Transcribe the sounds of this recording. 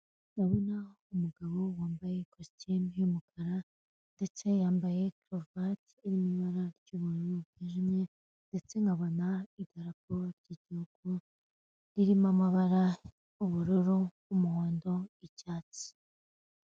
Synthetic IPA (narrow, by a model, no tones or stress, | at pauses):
naβona | umuɡaβo̞waːmbaje̞kostimhumukʰaɾa | nde̞t͡se̞jaːmbaje̞kɾovat | iɾimiβaɾaɾɟuːβuɾuɾubiʒimŋe | nd̥e̞t͡se̞ŋɡaβonaidaɾak̚oβaɾɟiɟihuɡ̥u | ɾiɾimamaβaɾa | uβuɾuɾuː | muhoːndo̞icaːt͡si̥